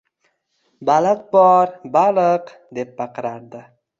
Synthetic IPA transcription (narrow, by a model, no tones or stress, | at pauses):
balaq̪̚bɒɾbalɨq | d̪e̞p̚baqɨɾaɾd̪ɪ